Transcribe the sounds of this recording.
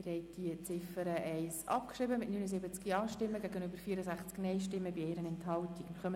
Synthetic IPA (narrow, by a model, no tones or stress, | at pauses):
ɪɾhɛɪt̚d̥iət͡sɪfəɾəʔɛɪsʔɑ̰pkʃɾɪbəmɪtnynəzɪbət͡skiɑːʃtɪmːəɡæɡənøbəɾfiəɾəzæχt͡sknɛɪʃtɪmːəbieɪɾənɛnthɑltikmχœmə